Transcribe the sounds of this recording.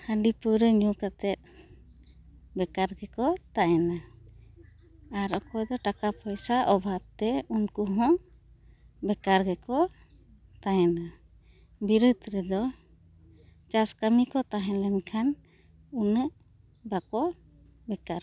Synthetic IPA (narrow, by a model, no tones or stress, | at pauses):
həɖipəɾəɲukat̪ɛt̪̚ | bɛkaɾɡɛkɔt̪aɛna | aɾɔkɔjd̪ɔʈakapʰɔjsaʔɔbʱab̚t̪ɛunkuɦɔ̃ | bɛkaɾɡɛkɔ | t̪ajɛna | biɾəd̪ɾɛd̪ɔ | t͡ʃaskamikɔt̪aɦɛ̃lɛnkʰan | unəʔ | bakɔ | bɛkaɾ